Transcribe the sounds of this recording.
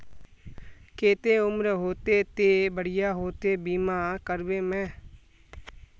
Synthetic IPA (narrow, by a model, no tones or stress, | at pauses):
keːt̪eːʊmɾɦoːt̪eːt̪eːbəɽɪjaːɦoːt̪eːbiːmaːkəɾbeːmɛ̃ː